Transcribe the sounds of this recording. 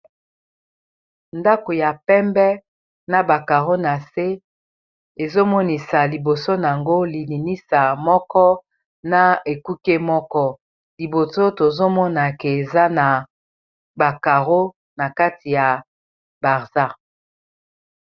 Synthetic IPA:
nda˦ko˨ja˨pɛ˦mbɛ˦ | na˨ba˨ka˨ʁo˦na˨se˦ | e˨zo˦mɔ˦ni˨sa˨li˨bo˨so˦n˨a˨ŋɡo˦li˨ni˨ni˦sa˨mɔ˦kɔ˦ | na˨e˨ku˦ke˦mɔ˦kɔ˦ | li˨bo˨so˦to˨zo˦mɔ˦na˨kɛ˨e˨za˦na˨ | ba˨ka˨ʁo˦ | na˨ka˦ti˨ja˨ | ba˨ʁza˦

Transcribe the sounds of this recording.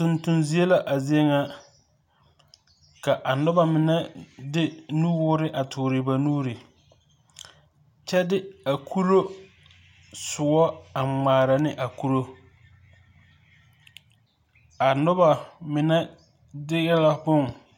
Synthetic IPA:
tʊ˨ntʊ˨nzi˨˦e˦la˦ʔa˨zi˦e˦ŋa˦ | ka˨ʔa˨nʊ˦ba˨mɪ˨nɛ˦dɪ˦nu˦wʊː˦ɾɪ˦ʔa˨tʰʊ˨ɾɪ˨ba˨nuː˦ɾɪ˨ | t͡ʃɛ˦dɪ˦a˨kʰu˦ɾo˦ | sʊ˨wɔ˦a˨ŋ͡maː˨ɾa˨nɪ˦ʔa˨ku˦ɾo˦ | a˨nʊ˦ba˨mɪ˨nɛ˦ | dɪ˦ɣɛ˦la˦bʊ˦ŋ

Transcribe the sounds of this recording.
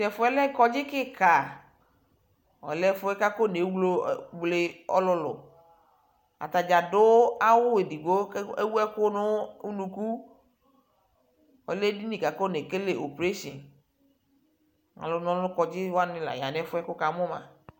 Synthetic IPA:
ʃɛ˨fʊ˨˦ɛ˦lɛ˦kɔ˦d͡ʒɪ˦kɪ˦ka˨ | ɔ̰˨lɛ˦fʊ˦ɛ˦ka˦ko˦ne˨˦wlo˦˨wle˦ɔ̰˦lʊ˧lʊ̰˨ | a̰˨t̪a˨d͡ʒa˨dʊ˦a˦wʊ˦we˨di˨ɡo˦e˦wu˦ɛ˦kʊ˦nʊ˦u˦nũ˨ku˦ | ɔ̰˨lɛ˦di˦nĩ˨ka˨ko˦ne˨ke˦le˨ʔo˨pɾe˦ʃḭ˨n | ŋa̰˨lʊ˨˦nɔ̃˨˦ʊ˦kɔ˨d͡ʒɪ˦wa˦nɪ̃˦˨la̰˨ja̰˨nɛ˦fʊ˦ɛ˦kʊ˦ka˨˦mʊ˦mã̰˨

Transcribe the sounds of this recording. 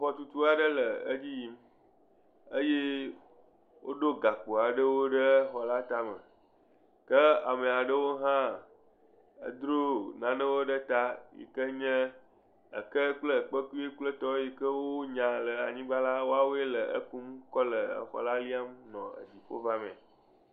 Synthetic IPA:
ɸɔ˨t̪u˨t̪u˦a˨ɖə˦lə˨ə̰˦d͡ʑi˦ji˦m | ə˦je˦ | wʔo˦ɖo˦ɡa˨k͡pu˨a˨ɖə˦wo˦ɖə˦xɔ˨la˦t̪a˦mə˨ | kə˦a̰˨mẽ˨a˨ɖə˦wo˦ɦã˦ | ə̰˦d̪ɾo˦nã˨nə̃˦wo˦ɖə˦t̪a˦jḭ˨kə˦ɲɛ̃˦ | ə̰˨kə˦k͡plə˦˨k͡pə˦ku˦e˦k͡plə˦t̪ɔ˦ji˨kə˦wo˦ɲã˨lə˨a˨ɲĩ˦ɡ͡ba˦la˦wo˦a˦wo˦e˦lə˨ʔə̰˦ku˦mkɔ˦lə˨ə̰˨xɔ̰˨la˦li˦a˦mnɔ̃˨ə̰˨d͡ʑi˨ɸo̰˦va˦mḛ̃˨

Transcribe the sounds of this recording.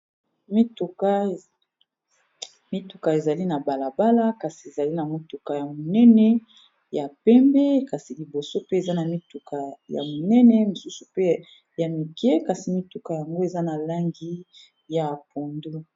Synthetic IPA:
mi˦tu˨ka˦ | mi˦tu˨ka˨e˨za˨li˦na˨ba˨la˨ba˦la˦ka˨si˨e˨za˨li˦na˨mi˦tu˨ka˨ja˨mo˨nɛ˦nɛ˦ | ja˨pɛ˦mbɛ˦ka˨si˨li˨bo˨so˦pe˦e˨za˦na˨mi˦tu˨kʰa˨ja̰˨mo˨nɛ˦nɛ˦mo˨su˦su˨pe˦ | ja˨mi˨kɛ˦ka˨si˨mi˦tu˨ka˨ja˨ŋɡo˦e˨za˦na˨la˦ŋɡi˦ | ja˨po˨ndo˦

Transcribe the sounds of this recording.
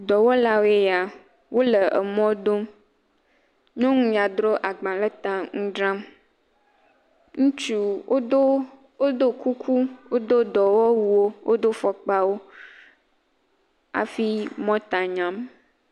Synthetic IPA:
d̪ɔ˨wo˦la˨wo˦e˦ja˨ | wo˦lə˨ʔə̰˨mɔ̃˦d̪o˦m | ɲɔ̃˦ŋũ˦ja˨d̪ɾo˦ʔa˨ɡ͡bã˨lə˦t̪ã˨ŋũ˦ɖɾã˦m | ŋũ˦t͡ʃu˦wo˦do˦ | o˦d̪o˦ku˦kʰu˦wo˦d̪o˦d̪ɔ˨wɔ˦wu˦wo˦wʔo˦d̪o˦fɔ˨k͡pa˦wo˦ | a̰˨fi˦mɔ̃˦t̪a˨ɲã˨m

